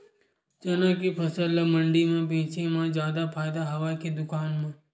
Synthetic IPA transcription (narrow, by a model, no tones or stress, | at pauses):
t͡ʃənãkipʰəsəlːaməɳɖimãp̬ẽːt͡ʃʰẽmãd͡ʒjad̪apʰaːjd̪aɦəʋakid̪ʊkaːnmã